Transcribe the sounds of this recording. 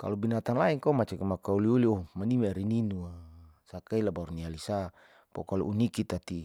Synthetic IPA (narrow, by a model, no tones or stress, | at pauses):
ka̰lɔbinat̪anlaiŋkomat͡ʃakamakauliuliɔmanimaɾininuasakailabaɾunialisa | pɔ̰kaluunikit̪at̪i